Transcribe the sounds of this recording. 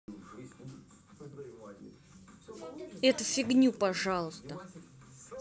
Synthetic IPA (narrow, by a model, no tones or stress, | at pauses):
ɛt̪ʊfʲɪɡnʲupɐʐalˠʊst̪ə